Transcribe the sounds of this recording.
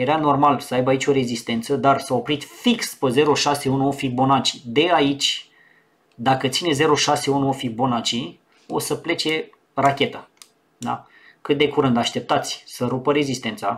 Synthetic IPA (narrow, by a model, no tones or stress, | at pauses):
je̞ɾano̞rmalsəajbəait͡ʃʲo̞ɾe̞zist̪e̞nt̪səd̪arsaopɾit̪fikspəze̞ɾo̞ʃase̞unuo̞fik̚bo̞nat͡ʃi̥d̪e̞ait͡ʃʲ | d̪akət̪sineze̞ɾo̞ʃase̞unuo̞fik̚bo̞nat͡ʃi | o̞̰səple̞t͡ʃe̞ | rakʲe̞t̪a | d̪a̰ | kɨt̪̚d̪e̞kuɾɨnd̪aʃt̪e̞p̚t̪at̪sʲsəɾupəɾe̞zist̪e̞nt̪sa